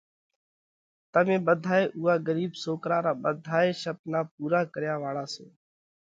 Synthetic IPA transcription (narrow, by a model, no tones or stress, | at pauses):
t̪əmẽːɓəd̪ʱaːeːʔuːaːɡəɾiːbsoːkɾaːɾaːɓəd̪ʱaːeːʃəp̚naːp̚uːɾaːkəɾjaːʋaːɽaːsoː